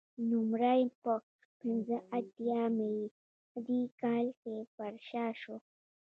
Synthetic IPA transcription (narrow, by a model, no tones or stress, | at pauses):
numɾajpə | pinzəʔat̪jamei | d̪ikaːlkefaɾʃaʃo